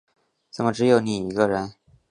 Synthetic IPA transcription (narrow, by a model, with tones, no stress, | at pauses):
t͡sə˨˩mə˦˧ʈ͡ʂɻ̩˧˥jo˨˧˩ʊni˨˩i˧˥ɡə˧ɻə˧˥n